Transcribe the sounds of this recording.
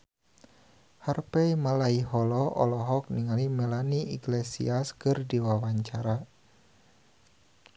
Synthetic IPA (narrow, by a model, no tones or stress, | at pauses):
harpɛimalaiɦɔlɔʔɔ̰lɔɦɔk̚niŋalimɛlaniiɡlesḭaskɨrdiwawaɲt͡ʃaɾa